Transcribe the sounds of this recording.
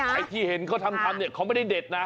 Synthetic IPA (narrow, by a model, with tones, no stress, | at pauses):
a˧jt̪ʰiː˧˩he˩˦nkʰaː˥˩t̪ʰa˧mt̪ʰa˧mni˦˩kʰa˦˥ma˥˩da˥˩jdeː˨˩t̪̚na˦˥